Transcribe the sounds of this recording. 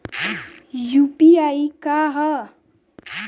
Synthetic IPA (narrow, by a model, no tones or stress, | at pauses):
jupiaikaɦə